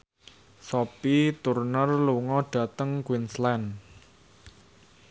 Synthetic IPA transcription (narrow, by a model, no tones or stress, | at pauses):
sɔpit̪urnərluŋɔɖ̥ä̤t̪əŋkwinslɛn